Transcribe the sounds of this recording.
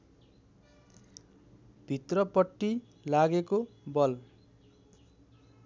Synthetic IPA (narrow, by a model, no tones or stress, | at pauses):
bʱit̪rʌpʌʈːi | laɡekobʌl